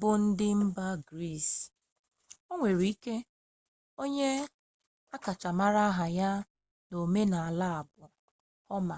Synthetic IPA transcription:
bʊ˦n̩˦dɪ˦m̩˦ba˦ɡɾi˦˨s | o˦ŋʷe˨ɾi˨˦i˦ke˦ | o˦ɲe˦ | a˦ka˨t͡ʃa˨ma˦ɾa˦ɦa˨ja˦ | no˨me˦na˨a˨la˦a˨bʊ˨ | ɔ˦ma˨

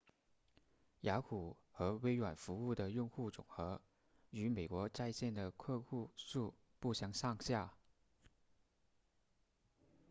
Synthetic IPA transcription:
ja˧˥kʰu˨˩ | xɤ˧˥we˧˥ɪɥwa˨˩nfu˧˥u˥˩d̪ə˩jʊ˥˧ŋxu˥˩t͡sʊ̰˨˩ŋxɤ˧˥ | y˧˥me˨˩ɪkwɔ˧˥t͡sa˥˧ɪɕjɛ˥˩nd̪ə˩kʰɤ˥˧xu˥˧ʂu˥˧ | pu˥˩ɕjɑ˧˥ŋʂɑ˥˧ŋɕja˥˩

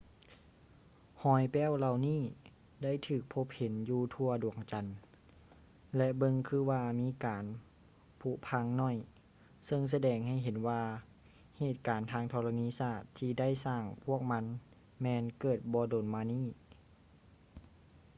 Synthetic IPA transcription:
hɔː˧˩jpɛː˧˥˨wla˧wniː˥˨ | da˥˩˨jt̪ʰɯː˧˩k̚pʰo˧˥p̚he˨˦njuː˧t̪ʰu˧ɐdu˨˩əŋt͡ɕa˨˩n | lɛ˧bɤ˧ŋkʰɯː˧˥waː˧miː˧˥kaː˨˦n | pʰu˧˥pʰa˧˥ŋnɔ˧˥˩j | sɤ˧ŋs̬a˧dɛː˨˩ŋha˧˩jɦe˨˦nwaː˧ | heː˧˨˩t̪̚kaː˨˦nt̪ʰaː˧ŋt̪ʰɔː˧la˧niː˧˥˨saː˧˩t̪ʰːiː˧da˥˩˨jsaː˧˩ŋpʰu˥˩ək̚ma˧˥n | mɛː˧nkɤː˨˩t̪̚bɔː˧˦doː˨˩nmaː˧niː˧˥˨

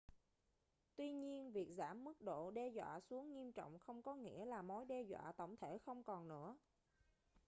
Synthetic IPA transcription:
t̪wi˧ɲi˧ənvi˨˩ək̚zaː˧˩mːɨ˦˥k̚ɗo̰˧˨ɗɛ˧zwa̰ː˧˨su˨˦əŋŋi˧əmt͡ɕɔ̰˧˨wŋ͡mxə˧wŋ͡mkɔ˨˦ŋḭ˧˥əlaː˨˩mo˨˦jɗɛ˧zwa̰ː˧˨t̪ə̰˧˩wŋ͡mt̪ʰe˧˩xə˧wŋ͡mkɔ˨˩nnɨ̰˧˥ə

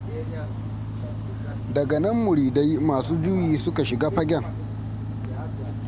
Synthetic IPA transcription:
dɐ˨ɡɐ˨nɐ˦mːʊ˨ɽiː˨da˦jmaː˨suː˦d͡ʒu˦jiː˨sʊ˦ka˨ʃɪ˨ɡaː˦ɸɐ˦ɡʲɛ˦˨ŋ

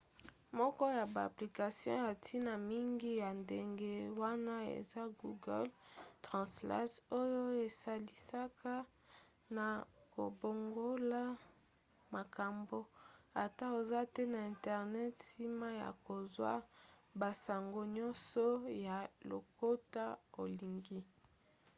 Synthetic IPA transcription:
mɔ˦kɔ˦ja˨ba˨a̰˨pli˨ka˨sjɔ̰̃˦a˨tʰi˦na˨mi˦ŋɡi˦ja˨nde˨ŋɡe˦wa˦na˦ḛ˨za˦ɡu˨ɡɛ̰˦ltʁɑ̃˨sla̰˦to˦jo˦e˨sa˨li˨sa˦kʰa˦ | na˨ko̰˨bo˨ŋɡo˦la˦ | ma˨ka˨mbo˦a˨ta˦o˨za˦tɛ˦na˨ɛ̃˨ntɛ˨ʁnɛ˦tsi˦ma˦ja̰˨ko˨zwa̰˦ba˨sa˨ŋɡo˦ɲɔ̃˦sɔ˦ja˨lo̰˨ko˦ta˦o˨li˨ŋɡi˦

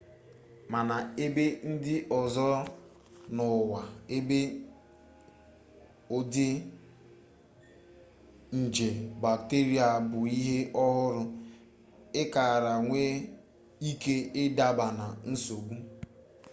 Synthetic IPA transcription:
ma˨na˨e˦be˦n̩˦dɪ˦ʔɔ˨zɔ˦ | nʊ˨wa˨e˦be˦ | o˦dɪ˦ | n̩˨d͡ʒe˨ba˨k̚te˦ɾi˦a˨bʊ˨i˦ɦe˦ʔɔ˦ɦʊ˦ɾʊ˨ | ɪ˦ka˨ɾa˨ŋʷe˦ | i˦ke˦ɪ˦da˦ba˨na˨n̩˦so˨ɡ͡bʷu˦

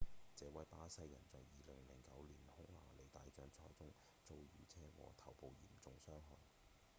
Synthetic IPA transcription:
t͡sɛː˨˧wɐ˨˥jpaː˧˥sɐ˧jːɐ̰˨˩nt͡sɔ˨˩wjiː˨lɪ˨˩ŋlɪ˨˩ŋkɐ˨˥wliː˨˩nhʊ˥ŋla̰ː˨˩le˨˩jt̪aː˨jt͡ʃœː˨˥ŋt͡sʰɔː˧˥jt͡sʊ˥ŋ | t͡so˧wjyː˨˩t͡sʰɛː˥wɔ̰ː˨˩t̪ʰɐ˨˩wpo˨˧wjḭː˨˩mt͡sʊ˨˧ŋsœː˥ŋɦɔ˨n

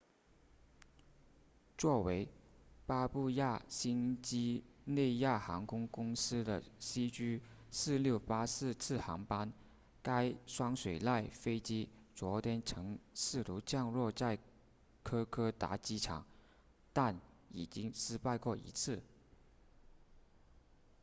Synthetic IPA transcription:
t͡swɔ˥˩we˧˥ɪpa˥pu˥˧ja˥˩ɕi˥nt͡ɕi˥ne˥˧ɪja˥˩xɑ˧˥ŋkʰʊ˥ŋkʊ˥ŋsɹ̩˥d̪ə̰˨ɕi˥t͡ɕy˥ | sɹ̩˥˧ljo˥˩ʊpa˥sɹ̩˥˧t͡sʰɹ̩˥˩xɑ˧˥ŋpa˥n | ka˥ɪʂwɑ˥ŋʂwe˨˩ɪla˥˩ɪfe˥ɪt͡ɕi˥t͡swɔ˧˥t̪ʰjɛ˥nʈ͡ʂʰɤ˧˥ŋsɹ̩˥˩t̪u˧˥t͡ɕjɑ˥˧ŋɻwɔ˥˧t͡sa˥˩ɪ | kʰɤ˥kʰɤ˥t̪a̰˧˥t͡ɕi˥ʈ͡ʂʰɑ̰˨˩˦ŋ | t̪a˥˩n | i˨˩t͡ɕi˥ŋʂɻ̩˥pa˥˧ɪkwɔ˥˩ḭ˧˥t͡sʰɹ̩˥˩

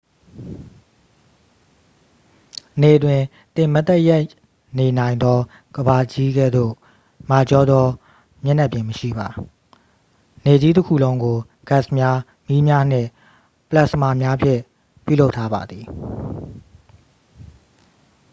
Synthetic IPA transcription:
ne˨ʔətwɪ̃˨ | t̪ɪ̃˨mə˦t̪ɛ˦ja˦ɪ | ne˨nã˨ɪ̃nd̪ɔ˦ | ɡ̥əba˨d͡ʑi˦ɡɛ̰˦˨d̪o̰˦˨ | ma˨t͡ɕɔ˦d̪ðɔ˦ | mjɛ˦na˦ʔpjɪ̃˨məʃḭ˦˨ba˨ | ne˨d͡ʑi˦t̬əkʰṵ˦˨lõ˦ʊ̃ŋɡo˨ | ɡ̥a˦˨smja˦ | mi˦mja˦n̥ɪ̰̃˦˨ | pəla˦ʔsəma̰˦˨mja˦pʰjɪ̰̃˦˨ | pjṵ˦˨lo˦ʊtʰːa˦ba̰˨d̪ði˨

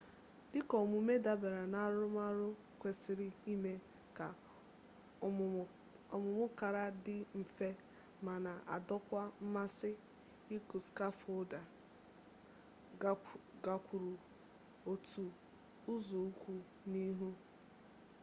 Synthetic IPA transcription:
dɪ˦kɔ˨mʊ˨˦me˦da˦be˨ɾa˨na˦ɾʊ˦ma˦ɾʊ˦ | kʷe˨sɪ˨ɾɪ˦i˦me˦ | ka˨ | ɔ˨mʊ˨mʊ˦ka˨ɾa˦dɪ˦m̩˨fe˦ | ma˨na˨ʔa˨dɔ˦kʷa˦m̩˦ma˦sɪ˦ | i˦ku˨ska˦fʊ˦da˨ | ɡa˨kʷu˨ɾu˨ | o˨tu˨ | ʊ˦zo˨u˦kʷu˦ | ni˦ɦu˦

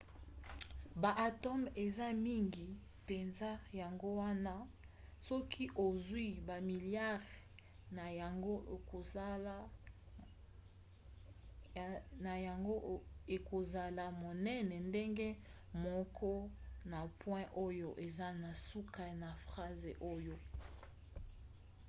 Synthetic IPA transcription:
ba˨ʔa˨tɔ˦me˨za˦mi˦ŋɡi˨ | pe˨nza˦ja˨ŋɡo˦wa˦na˦sɔ˦kʰi˦ʔo˨zwi˦ba˨mi˨lja˦ʁ | na˨ŋɡo˦˨ko˨˦ | na˨ja˨ŋɡo˦e˨ko˨za˨la˨mo˨nɛ˦nɛ˨nde˦ŋɡe˦ | mɔ˦kʰɔ˦na˨pwɛ̃˦ʔo˦jo˦ʔe˨za˦na˨su˦ka˦na˨fʁa˦ze˨ʔo˦jo˦

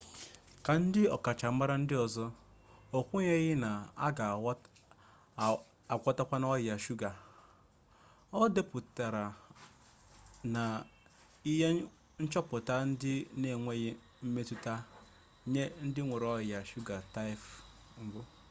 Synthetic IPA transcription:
ka˨n̩˦dɪ˦ɔ˨ka˨t͡ʃa˨˦ma˦ɾa˦n̩˦dɪ˦ɔ˨zɔ˦o˨kʷu˦ɲe˦ɣɪ˦na˨a̰˦ɡa˨˦ | a˨kʷɔ˦ta˦kʷa˦n˦ɔ˦˨a˨ʃu˦ɡa˨ | ɔ˦de˦pʊ˨ta˨ɾa˨ | na˨ | i˦ɦe˦ | n̩˦t͡ʃɔ˦pʊ˨ta˦n̩˦dɪ˦ne˦˨ŋʷe˦ɣɪ˦ | m̩˦me˦tu˦ta˦ | ɲe˦n̩˦dɪ˦ŋʷu˨ɾɔ˦ɪ˨a˨ʃu˦ɡa˨ta˦i˦f | m̩˦bʊ˦

